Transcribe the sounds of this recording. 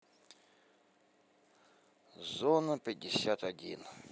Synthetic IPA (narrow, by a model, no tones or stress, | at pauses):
zɔnɐpʲidʲɪsʲat̪ɐdʲḭn